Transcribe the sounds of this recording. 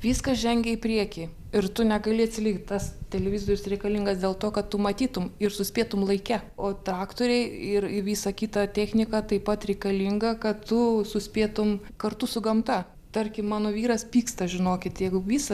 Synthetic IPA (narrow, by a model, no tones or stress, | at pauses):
ʋʲiːskɐsʒʲɛŋʲɡʲɛɪpʲɾʲiɛkʲi | ɪrt̪ʊnʲɛɡɐlʲɪɐt̪ʲsʲɪlʲɪkt̚ʲt̪ɐst̪ʲɛlʲɛʋʲɪzoːɾʲɪsrʲɛɪkɐlʲiŋɡɐsd̪ʲeːlˠt̪oːkɐttʊmɐt̪ʲiːt̪ʊmɪrsʊsʲpʲeːt̪ʊmlˠɐɪkʲɛoːt̪ɾɑːkt̪oːɾʲɛɪɪrɪʋʲiːsɐkʲiːt̪ɐt̪ʲæːxʲnʲɪkɐt̪ɐɪpɐt̪ɾʲɛɪkɐlʲɪŋɡɐkɐttʊsʊsʲpʲeːt̪ʊm | kɐrt̪ʊsʊɡɐmt̪ɐ | t̪ɐrʲkʲɪmmɑːnoːʋʲiːɾɐspʲiːkst̪ɐʒʲɪnoːkʲɪt̪jɛɪɡʊʋʲiːsɐ